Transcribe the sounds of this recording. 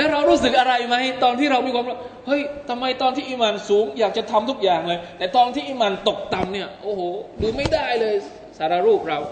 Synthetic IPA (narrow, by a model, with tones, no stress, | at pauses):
lɛː˦˥ɾa˧wɾuː˦˥˩s̬ɯ˨˩k̚ʔa˧ɾa˧jma˦˥˩jt̪ɔː˧nt̪iː˥˩ɾa˧wmiː˧kʰwːɾa˦˥˩hɤ˦˥˩jt̪ʰa˧mːa˧jt̪ɔː˧nt̪ʰiː˥˩ʔiː˧maː˨˩nsuː˩˦ŋjaː˨˩k̚t͡ɕa˨˩t̪ʰa˧mt̪ʰu˦˥k̚jaː˨˩ŋlɤː˧jt̪ɛː˨˩t̪ɔː˧nt̪ʰiː˥˩ʔiː˧˩maː˨˧˩nt̪o˨˩k̚t̪a˧mni˥˩ɐʔoː˧˩hoː˨˩duː˧ma˥˩jdaː˥˩jlɤː˧j | saː˨˩˦ɾaː˧ɾuː˥˩p̚ɾa˧w